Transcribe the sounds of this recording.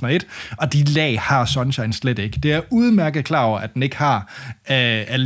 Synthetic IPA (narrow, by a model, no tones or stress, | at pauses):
nɐe̝d̥ɒ̽d̥ilɛ̰ːhɑ̈sɒ̽nɕɑ̈ɪnsled̥e̝ɡ̥əd̥e̝æɐʔuð̞ˠmæɐɡ̥ð̩ˠkʰlɑ̈ːɒʊɐʔæd̥ene̝ɡ̥ə̥hɑ̈ | æl